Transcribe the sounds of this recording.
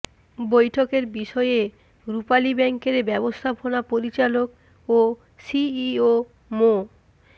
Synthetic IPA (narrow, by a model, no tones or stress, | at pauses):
bojʈʰokeɾbiʃɔee | ɾupalibɛŋkeɾbɛbost̪ʰabʱonapoɾit͡ɕalok̚ | o | siio | mo